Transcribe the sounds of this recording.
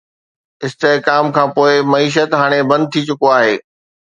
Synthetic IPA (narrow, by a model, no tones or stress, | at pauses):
ɪst̪ekaːmkʰãːpoːɪmɐiːʃ̬ət̪ɦaːɽ̃ebɐ̃nd̪̚t̪ʰit͡ɕʊkoaːɦeː